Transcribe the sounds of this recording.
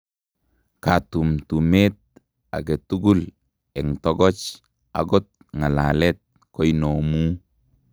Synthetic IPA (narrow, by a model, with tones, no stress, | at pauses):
katu˨mtu˨me˦t̚ | a̰˨ɡe˨tu˦ɡu˦l | e˨ŋtɔ˦ɡɔ˦t͡ʃ | a̰ɡo˦t̚ | ŋa˨la˨le˦t̚ | ko˦ino˨mu˦